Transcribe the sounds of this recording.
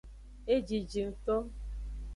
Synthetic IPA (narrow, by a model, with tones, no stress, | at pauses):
e˦d͡ʒi˨d͡ʒi˨n̩˨to˦